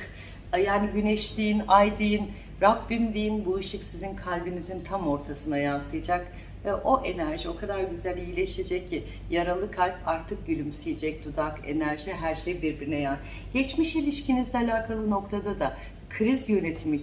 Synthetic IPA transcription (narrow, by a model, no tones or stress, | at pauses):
jaːniɟynɛʃlʲijinajd̪ɯjin | ɾabːimlʲijinbuɯʃɯksizinkʰalʲbinizint̪ʰamo̞ɾt̪ʰasɯnajansɯjad͡ʒak | ʔo̞ʔe̞næɾʒio̞kʰad̪aɾɟyzælʲijilʲeʃed͡ʒɛc̚ʰːi | jaɾalˠɯkʰalʲpaɾt̪ʰɯk̚bylʲymsijid͡ʒɛc̚d̪̥ud̪ake̞̰næɾʒiɦæɾʃejbiɾbiɾinɛjan | ɟɛt͡ʃmiʃilʲiʃcinizd̪ɛalʲaːkʰalˠɯno̞kt̪ʰad̪ad̪a | kʰɾizjø̞ne̞t̪ʰimi